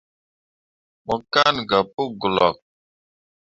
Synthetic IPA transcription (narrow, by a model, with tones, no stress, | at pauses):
mə˨ka˦nɡa˨pu˦ɡu˨lɔ̰˨k̚